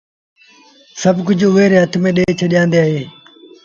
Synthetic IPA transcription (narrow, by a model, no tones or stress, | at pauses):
səbkʊd͡ʒʱʊeːɾeːɦət̪ʰmẽːɗeːt͡ʃʰəɗjãːnd̪eːaːɦeː